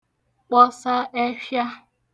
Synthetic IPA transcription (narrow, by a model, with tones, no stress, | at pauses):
k͡pɔ˦sa˦ʔe˦ʃja˦